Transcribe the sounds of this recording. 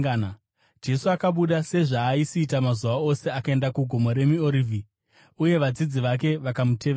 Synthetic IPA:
d͡ʒe̞suakaɓuɗase̞ʐaːisiːtamazuʋao̞se̞akae̞ndakuɡʱo̞moɾe̞mio̞ɾivʱi | uje̞ʋad͡zid͡ziʋak̬e̞ʋakamute̞ʋe

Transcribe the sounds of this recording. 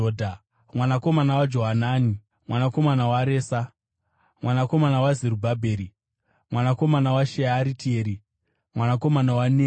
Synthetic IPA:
odʱa | mwanako̞manawad͡ʒo̞ɦanaːni | mwanako̞manawaɾeːsa | mwʔanako̞manawazeɾubʱabʱeːɾi | mwanako̞manawaʃeaɾitieɾi | mwanako̞manawane

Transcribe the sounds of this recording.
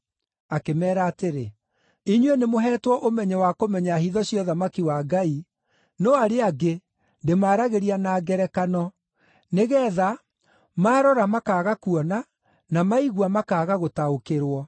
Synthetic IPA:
akemɛːɾaːteɾe | iɲwenemoɦɛːtwɔʔomɛɲɛwakomɛɲahiðɔɕjɔðamakiwaːɡai | nɔaɾeaɡe | ndemaːɾaɣeɾianaːɡɛɾɛkanɔ | neɣɛːða | maːɾɔɾamakaːɣakuɔna | namaiɣuamakaːɣaɣotaokeɾwɔ

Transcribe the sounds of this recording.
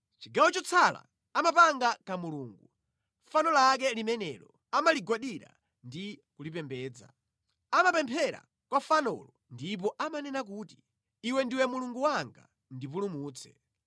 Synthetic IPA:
t͡ʃiɡawɔt͡ʃɔt͡sʰala̰ | amap̬aŋɡakamuluːŋɡu | fanɔlak̬ɛlimɛnɛlɔ | amaliɡwaɗiɾa̰ | ndikulipɛmbɛːd͡za̰ | amapɛmpʰɛɾa̰ | kwafanɔ̰lɔndip̬ɔʔamanɛnak̬uːti̥ | iwɛndiwɛmuluŋɡuwaŋɡa̰ | ndip̬ulumuːt͡sʰɛ̥̰

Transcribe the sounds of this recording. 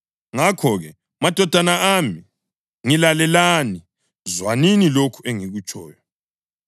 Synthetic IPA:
ŋakʰɔɣɛ | mad̥ʱɔd̥ʱanaami | ŋilalɛlani | zwaninilokʰueŋiɣut͡ʃʼʰɔ̰ːjɔ

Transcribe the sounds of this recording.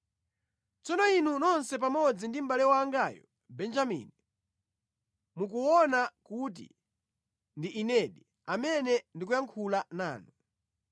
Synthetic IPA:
t͡sɔnɔinunɔnsɛpamɔd͡zindim̩balɛwaːŋɡajɔ | bɛnd͡ʒamḭːni | mukuwɔnakut̬ḭ | ndiʔinɛɗi | amɛnɛndik̬ujaŋkʰulana̰ːnu

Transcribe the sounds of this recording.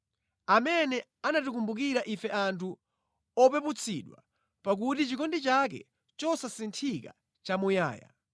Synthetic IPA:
amɛnɛ | anatuk̬umbuk̬iɾaʔifɛʔantʰu | ɔpɛput͡sʰiɗwa̰ | pak̬utit͡ʃikɔndit͡ʃak̬ɛ̰ | t͡ʃɔsasintʰika̰ | t͡ʃamuja̰ːja̰

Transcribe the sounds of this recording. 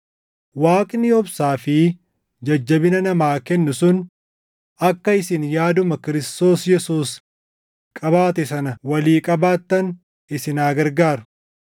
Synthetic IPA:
waːkʼɪnːɪɔbsaːfɪ | d͡ʒɐd͡ʒːɐbɪnɐnɐmaːkɛnːʊsʊn | ɐkːɐɪsɪnjaːd̪ʊmɐkɪɾɪst̪o̞ːsjɛsuːs | kʼɐbaːt̪ɛsɐnɐwɐliːkʼɐbaːt̪ːɐn | ʔɪsɪnaːɡɐɾɡaːɾɐ̥

